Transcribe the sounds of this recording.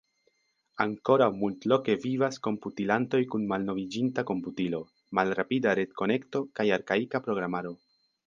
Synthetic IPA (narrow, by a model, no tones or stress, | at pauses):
aŋko̞ɾawmultlo̞ke̞vivasko̞mputilanto̞jkunmalno̞vid͡ʒintako̞mputilo̞ | malɾapidaɾe̞tko̞ne̞kto̞kajaɾkaikapɾo̞ɡɾamaɾo̞